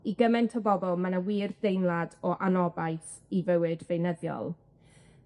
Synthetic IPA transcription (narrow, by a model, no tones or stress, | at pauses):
iɡəmɛntʰɔbɔbɔlˠmanawiːrd̥ejnlˠadɔʔanɔbajθ | ivəwɨdvejnəðjɔ̰lˠ